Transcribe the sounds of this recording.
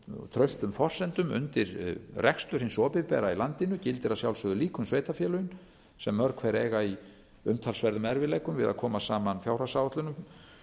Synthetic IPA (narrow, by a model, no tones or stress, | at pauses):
t̪ʰɾœɥst̪ʏmfɔr̥sɛnt̪ʏmʏ̰nt̪ɪɾrʔɛkst̪ʏɾ̥hɪnsɔːpɪpɛːɾailant̪ɪnʏcɪlt̪ɪɾasjawlsœðʏliːkʏmsveːjt̪afjɛːlʏjn | sɛmːœɾkʰvɛːɾeːjɣai | ʏmt̪ʰalsvɛɾðʏmɛɾvɪleːjkʏmvɪ̰ða̰ðkʰɔːmasaːmanfjawr̥asawɔht̪lʏnʏm